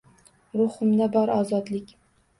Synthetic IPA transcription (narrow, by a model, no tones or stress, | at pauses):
ɾʊχʊmd̪abɒɾɒzɒd̪lɪkʲ